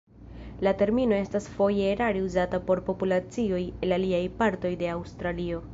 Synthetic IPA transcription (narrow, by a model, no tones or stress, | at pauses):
late̞ɾmino̞e̞stasfo̞jeɾaɾiuzatapo̞ɾpo̞pulat͡sio̞jelaliajpaɾto̞jde̞awstɾalio̞